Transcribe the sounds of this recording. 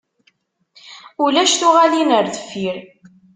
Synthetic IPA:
ulæʃθuʁalinəɾθə̥fːiɾ

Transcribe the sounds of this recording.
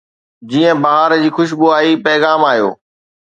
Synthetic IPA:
d͡ʑiːə̃baɦaɾd͡ʑiːxʊʃ̬buaːipɛːɣaːmaːɦijo̰ː

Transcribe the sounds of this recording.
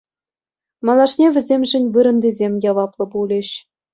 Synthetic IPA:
mɑlˠɑʂnʲeʋʲɘ̆zʲemʲʐɘ̆nʲʋɯɾɤ̆nd̪ʲizʲemʲjɑʋɑplˠɤ̆bulʲĕɕ

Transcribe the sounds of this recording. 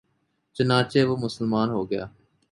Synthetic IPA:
t͡ʃənaːt͡ʃeːbomʊsəlmaːnɦoːɡɪja̰ː

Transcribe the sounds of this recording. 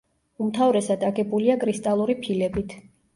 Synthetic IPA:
umt̪ʰavɾɛsad̪aɡɛbuliaɡʼɾist̪ʼalˠuɾipʰilɛbit̪ʰ

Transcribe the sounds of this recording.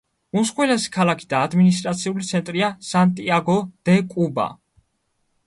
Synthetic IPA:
unsχwɛlasi̥kʰalakʰi̥d̪aːd̪minis̬t̪ʼɾat̪sʰiulit̪sʰɛnt̪ʼɾiasant̪ʼiaɡɔd̪̥ɛkʼuba̰

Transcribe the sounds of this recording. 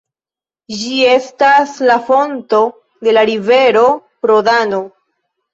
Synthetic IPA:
d͡ʒie̞staslafo̞nto̞ | de̞laɾive̞ɾo̞pɾo̞dano

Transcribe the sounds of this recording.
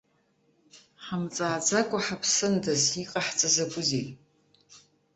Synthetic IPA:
ħamt͡sʼaːd͡zakʷʼaħapʰsɨndaziqʼaħt͡sʼɨzakʷʼʊzejtʼ

